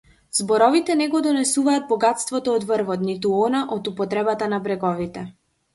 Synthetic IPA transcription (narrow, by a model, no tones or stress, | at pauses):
zbɔɾɔvit̪ɛnɛɡɔd̪ɔnɛsuvaːd̪̚bɔɡat̪st̪vɔt̪ɔːd̪vəɾvɔt̪nit̪uɔnaʔɔt̪upɔt̪ɾɛbat̪anabɾɛɡɔvit̪ɛ